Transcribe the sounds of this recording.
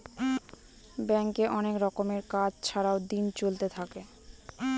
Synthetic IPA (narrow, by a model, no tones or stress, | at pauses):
bɛŋkeʔɔnekɾɔkomeɾkad͡ʑt͡ɕʰaɾaod̪int͡ɕolt̪et̪ʰake